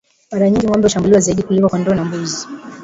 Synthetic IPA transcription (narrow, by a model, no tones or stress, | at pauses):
maɾaɲiŋɡiŋwɔmbɛuʃambuliwazaiɗikulikwakwandɔːnambuzi